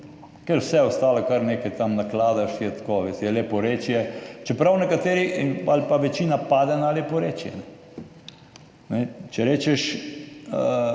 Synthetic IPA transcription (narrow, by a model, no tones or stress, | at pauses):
kɛɾwsɛɔst̪aːlakaɾneːkɛjt̪amnaklaːd̪aʃjɛt̪koʋest̪jɛlepɔɾet͡ʃjɛt͡ʃɛpɾawnɛkat̪eːɾialpaʋɛt͡ʃiːnapaːd̪ɛnalepɔɾeːt͡ʃjɛ̰nɛ | nɛt͡ʃɛɾeːt͡ʃɛʃ | ə